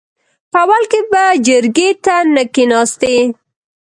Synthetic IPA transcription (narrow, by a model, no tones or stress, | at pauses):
pəawalkebad͡ʒəɾɡet̪anəkinɑst̪e